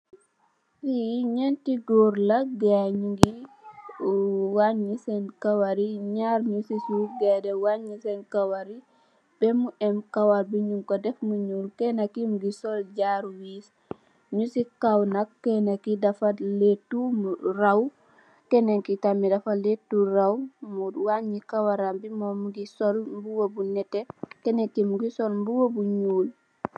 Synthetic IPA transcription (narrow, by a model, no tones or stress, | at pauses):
wiɲɛntiɡɔːɾlɐɡaɲuŋɡi | waɲisɛnkawaɾiɲaːɾɲusisuɡɛdɛwaɲisɛnkawaɾi | b̥ɛmuʔɛmkawalbiɲuŋkɔdɛfmuɲulkɛnakimuɡisɔld͡ʒaɾwiːs | ɲusikawnakːɛnakidafaletːumuraw | kɛneŋkitamidafaletːuɾawmudwaɲikawaɾambimɔmuɡisɔlmbuwobunɛtekɛneŋkimuɡisɔlmbuwobuɲuːl